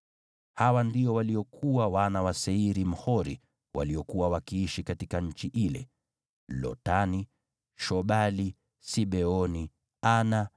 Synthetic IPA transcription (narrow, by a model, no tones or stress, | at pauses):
hawandiɔwaliɔkʰuwawanawasɛiɾim̩hɔɾḭ | wʔa̰liɔkuwawakiiʃikatikaɲ̩t͡ʃiʔilɛ̰ | lɔ̰tani | ʃɔɓali | siɓɛɔni | ana